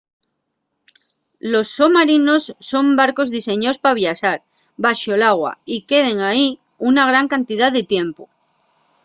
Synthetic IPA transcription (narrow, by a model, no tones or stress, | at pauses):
lo̞sːomaɾino̞sːo̞mbaɾko̞zðise̞ɲospaβjasaɾ | βaʃolaɣ̞wa̰ike̞ð̞e̞ŋai | unaɣ̞ɾaŋkant̪iðaððet̪je̞mpo